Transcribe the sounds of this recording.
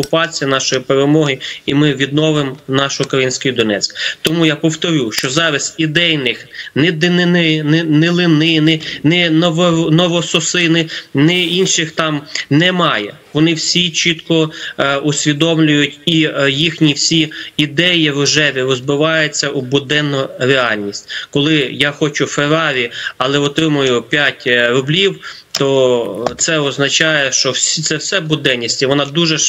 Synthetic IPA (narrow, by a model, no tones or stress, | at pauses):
kʊpɑt͡sʲijɐnɑʃɔjipeɾemɔɦɪimɪʋʲid̪nɔʋɪmnɑʃʊʊkɾɐjinʲsʲkɔjid̪ɔnɛt͡sʲkt̪ɔmujapɔwt̪ɔɾʲuʃt͡ʃɔzɑʋʲɪst̪id̪ɛjnɪxnɛd̪ɪnɪnɪnnɛlˠɪnɪnɪnɛnɔnɔʋɔsɔsɪnɪnɪinʃɪxt̪ɑmnɛmɑjɛ̰ | ʋɔnɪwsʲit͡ʃit̪kɔʊsʲʋʲid̪ɔmlʲʊjʊtʲijixnʲiwsʲiid̪ɛjiɾʊʒɛʋʲiɾɔzbɪʋɑjʊt͡sʲːɐʔʊbʊd̪ɛnːʊɾeɑlʲnʲisʲtʲkɔlˠɪjaxɔt͡ʃʊfeɾɑʋʲiɐlˠɛɔt̪ɾɪmʊjʊpʲjatʲɾʊblʲiw | t̪ɔt̪sɛɔznɐt͡ʃɑjɛʃt͡ʃɔst̪sɛwsɛbʊd̪ɛnʲːisʲtʲiʋɔnɑd̪uʒɛ